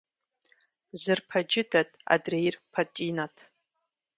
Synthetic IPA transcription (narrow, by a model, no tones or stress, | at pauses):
zɨrpʰad͡ʒɪdatʼa̰drejrpʰatʼinatʼʰ